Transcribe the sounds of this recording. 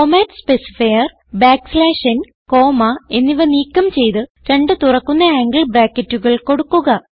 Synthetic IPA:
komaːʈspe̞si̥fɐjɐr | baːkslaːʂɐn | ko̞ːmɐe̞nːiʋɐniːkːɐmt͡ɕe̞jt̪ɨ | ɾe̞ɳɖɨt̪urɐkːunːɐaːŋɡɐɭbraːkːɐtːuɣɐɭko̞ɽukːuɣɐ

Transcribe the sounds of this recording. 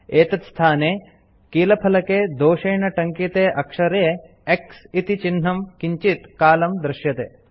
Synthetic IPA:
eːt̪ɐt̪st̪ʰaːneː | kiːlɐpʰɐlɐkeːd̪oːʃeːɳɐʈɐŋkit̪eːʔɐkʂɐɾe | eksit̪it͡ʃinɦɐmkiɲt͡ʃit̪kaːlɐmd̪ɾɪʃjɐt̪ḛː

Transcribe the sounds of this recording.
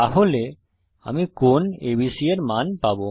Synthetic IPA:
aɦole | a̰mikonebisieɾmanpabo

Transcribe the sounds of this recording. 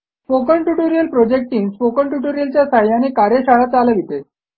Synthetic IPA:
spokəɳʈuʈoɾijəlpɾod͡ʑek̚ʈiːnspokəɳʈuʈoɾijəlt͡ɕjasaɭjaniːkaɾjeɕaɭat͡saləʋit̪e

